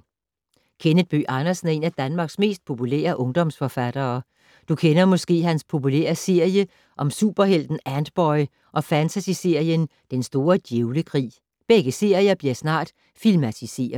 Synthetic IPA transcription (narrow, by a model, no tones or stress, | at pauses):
kʰenəd̥̚b̥ø̰ːʔɑ̈nɐsn̩e̝næd̥ænmɑ̈ːɡ̥sme̝̰ːsd̥̚pʰo̝pʰulḛːɐʔɔ̽ŋd̥ɒ̽msfɒ̽fæd̥ɐː | d̥ukʰenɐmɒ̽sɡ̥e̝̰ːhænspʰo̝pulḛɐse̝ɐ̰jə | ʔɒ̽msuːb̥ɐɦel̰d̥n̩ænd̥b̥ɒɪ | ʔɒ̽fænt͡sʰæsise̝ɐ̰jən | d̥ensd̥o̝ːɐd̥jeʊləkʰʁḭː | b̥eɡ̥əse̝ɐ̰ijɐb̥liɐsnɑ̰̈ːd̥ | filmæt͡sʰise̝̰ːɐðˠ